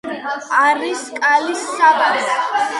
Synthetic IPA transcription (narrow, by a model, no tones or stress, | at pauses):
aɾiskʼalisːaʁaɾ